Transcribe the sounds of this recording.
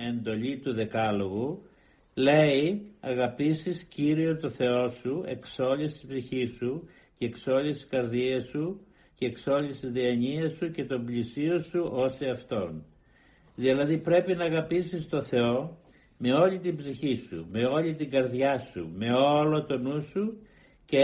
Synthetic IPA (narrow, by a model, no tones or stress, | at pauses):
end̪o̞ʎit̪uðe̞kɐlo̞ɣu | le̞iɐɣɐpisisciɾio̞t̪o̞θe̞o̞sue̞̰kso̞ʎist̪i̥sbziçisu | ceːkso̞list̪i̥skɐɾðiɐsu | ceːkso̞ʎist̪izðiɐɲiɐsuce̞t̪o̞mblisio̞suʔo̞seɐft̪o̞n | ðilɐðipɾe̞pinɐːɣɐpisist̪o̞θe̞o̞ | me̞o̞ʎit̪imbziçisṵme̞o̞lit̪iŋɡɐɾðʝɐsṵme̞olo̞t̪o̞nusu | ce